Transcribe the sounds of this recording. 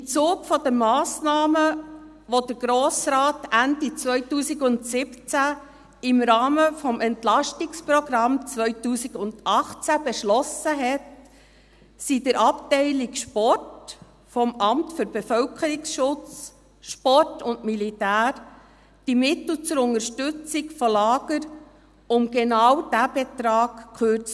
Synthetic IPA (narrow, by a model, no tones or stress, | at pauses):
ɪmt͡suːɡfɔdəmːɑːsnɑːmə | ʋod̥əɾɡ̥ɾoːsɾaːtændit͡svœʏtuːsiɡʊntsɪpt͡sæ | ɪmɾɑːməfɔmʔɛntlɑʃtɪkspɾɔɡɾɑmt͡sʋœʏtuːsiɡʊnd̥ɑχt͡sæb̥eʃlɔsəɦɛt | sidəɾʔɑptɛɪlɪkʃpɔrt | fɔmɑmtfʏɾb̥efœlkʰəɾiksʃʊt͡s | ʃpɔrtʊndmilitæːɾ | d̥imɪtl̩t͡sʊɾʊnəɾʃtʏt͡sɪkfɔlɑːɡ̥əɾ | ʊmɡenɑwd̥æbɛtɾɑːɡ̥kʰøːɾt͡s